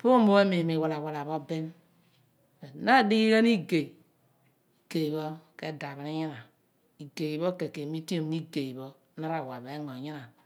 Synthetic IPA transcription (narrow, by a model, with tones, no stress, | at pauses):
po˦o˦mo˦we˦mi˨mi˨wa˨la˨wa˨la˨βo˦be˦n | e˨na˦˨di˦i˦ke˦n˦i˦ɡe˨ | i˨ɡe˨βo˦ke˦da˨βi˨ni˦ɲi˦na˨ | i˨ɡe˨i˨βo˦ke˨ke˨mi˦ti˦o˨˦i˦ɡe˨i˨βo˦na˦ɾa˨wa˨βe˨˦ŋo˨ɲi˦na˨